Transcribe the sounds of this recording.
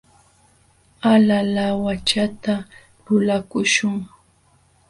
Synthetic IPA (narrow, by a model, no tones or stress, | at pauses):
alalawat͡ʃat̪a | lʊlakʊʃʊŋ